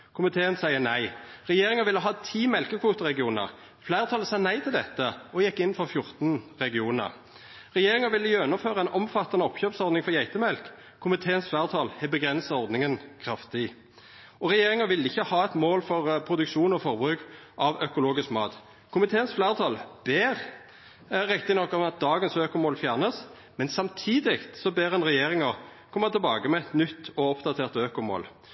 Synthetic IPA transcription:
kʰʊmɪt̪ʰeːənsæɪənæɪʁɛjeːɾɪŋəʋɪlːəɦɑːt̪ʰiːmɛlkəkʰʋuːt̪əɾʁɛɡɪuːnə̰ʁ | flæɪʁət̪ʰɑːləsɑːnæɪt̪ʰɪld̪ɛt̪ːəɔjɛkːɪnːfɔʁfjʊʁt̪nʁɛɡɪuːnə̰ʁ | ʁɛjeːʁɪŋəʋɪlːəjøːnʊføːʁəɛɪnʔɔmfɑt̪ːɑnəɔpçøːpsɔʁd̪nɪŋfɔʁjæɪt̪əmɛlk | kʰːʊmɪt̪ʰeːənsflæːʁt̪ʰɑlhɛbəɡʁɛnsəɔʁd̪nɪŋənkʰʁɑft̪ɪ | ɔʁɛjeːʁɪŋəʋɪlɪçːəhɑːɛt̪moːlfɔʁpʰʁʊd̪ʉkʃuːnɔfɔʁbʁʉːkʔɑʋœkʊloːɡɪskmɑ̰ːt̪ | kʰʊmɪt̪ʰeːənsflæːʁt̪ʰɑːlb̥eːʁ | ʁɛkt̪ɪnɔkːɔmɑt̪̚d̪ɑːɡənsøːkʊmoːlfjæːʁnəs | mɛnsɑmt̪ʰiːd̪ɪkt̪sɔbeːʁɛnʁɛjeːʁɪŋəʁkʰɔmːət̪ʰɪlbɑːɡəmɛɛt̪nʏt̪ːɔɔpd̪ɑt̪ʰeːʁt̪øːkʊmo̰ːl

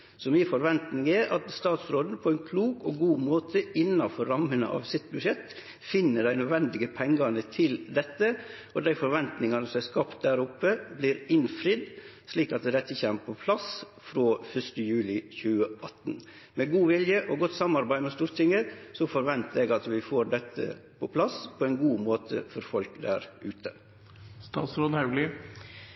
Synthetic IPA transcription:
sɔmiːəfɔɾʋɛnt̪nɪŋɛɾʔɑt̪st̪ɑːt̪sɾoːd̪n̩pʰɔæɪnkʰluːkɔɡuːmoːt̪ʰəɪnːɑfɔɾːɑmənə̰ʔɑ̰ʋsɪt̪̚bʉʂɛt̪ | fɪnːəɖæɪnœd̪ʋɛnd̪ɪɡəpʰɛŋɡɑnət̪ʰɪld̪ɛt̪ːəʔɔd̪æɪfɔɾʋɛnt̪nɪŋɑnəsɔmæskɑpt̪̚d̪æːɾʊpːəbliːɾɪnfɾɪd̪ | sliːkɑt̪̚d̪ɛd̪ɛt̪ːəçɛmpʰɔpʰlɑs | fɾoːfœʂtəjʉːlɪçʉːəɑt̪ːn | mɛɡuːʋɪljəʔɔɡɔt̪ːsɑmɑɾbæɪmɛst̪uːɾt̪ʰɪŋəsɔfɔɾʋɛnt̪əɛːɡɑt̪ʋɪfoːɾɖɛt̪ʰːə̰pʰɔpʰlɑspʰɔɛɪnɡuːmoːt̪ʰə̰fɔɾfɔlkd̪æ̰ːɾʉːt̪ʰə | st̪ɑ̰ːt̪sɾoːd̪hɑʉlɪ

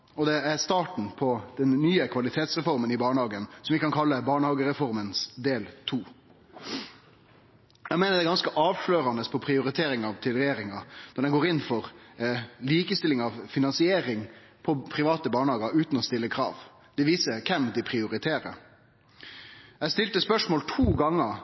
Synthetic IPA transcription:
ɔd̪ɛæɾst̪ɑːʈɳ̩pʰɔd̪̥ɛnːyːəkʰʋɑlɪt̪ʰeːt̪sʁɛfɔɾmənɪbɑːɳəhɑːɡənsɔmʋɪkɑnkʰɑlːəbɑːɳəhɑːɡəɾɛfɔɾmənsd̪eːlt̪ʰuː | jæmeːnəɾd̪ɛɡɑnskəʔɑːʋʂløːɾɑnəspʰɔpʰɾɪʊɾɪt̪ʰeːɾɪŋɑʋt̪ʰɪlɾɛjeːɾɪŋɑnɔɖ̪ɛnɡoːɾɪnːfɔɾ | liːkəst̪ɪlɪŋɑʋfɪnɑnsɪeːɾɪŋ | pʰɔpʰɾɪʋɑːt̪əbɑːɳəhɑːɡɑɾʉːt̪nɔst̪ɪlːəkʰɾɑ̰ːʋ | d̪̥ɛʋiːsəkʰɛmd̪ɪpʰɾɪʊɾɪt̪ʰeːɾə̰ | jæst̪ɪlt̪əspœʂmoːlt̪ʰuːɡɑŋːə

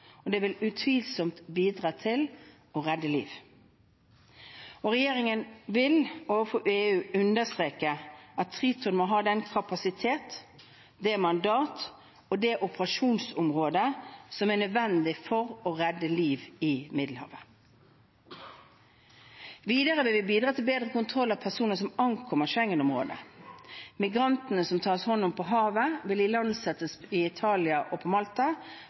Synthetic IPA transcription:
ɔd̪ɛʋɪlʉt̪ʰʋiːlsɔmt̪biːd̪ʁɑːt̪ʰɪl | ɔʁɛd̪ːəlḭːʋ | ɔʁɛjeːɾɪŋənʋɪloːʋəfɔɾeːʉːʉnd̪əst̪ʁeːkəʔɑt̪ʰːʁiːt̪ʊnmoːɦɑːd̪ɛnkʰɑpɑsɪt̪ʰeːt̪ | d̪eːmɑnd̪ɑːt̪ | ɔd̪ɛʔʊpʁɑʃuːnsʊmʁoːd̪əsɔmænœd̪ʋɛnd̪ɪfɔʁɔʁɛd̪ːəliːʋɪmɪd̪l̩hɑ̰ːʋə | ʋiːd̪əʁəʋɪlʋɪbiːd̪ʁɑːt̪ʰɪlbeːd̪ʁəkʊnt̪ʰʁɔlːɑʋpʰæsuːnəs̬ɔmɑŋkʰɔməʃɛŋːənʊmʁo̰ːd̪ə̰ | mɪɡʁɑnt̪nəsɔmt̪ʰɑːshɔnːʊmpʰɔɦɑːʋəʋɪlɪlɑnsɛt̪əsɪɪt̪ʰɑːlɪɑʔɔpʰɔmɑlt̪ɑ

